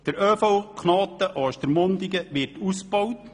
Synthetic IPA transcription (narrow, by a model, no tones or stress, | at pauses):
d̥əɾœːfowkʰnɑːt̪ːəʔɑʃt̪əɾmond̪iɡəʋɪrtusbɔwt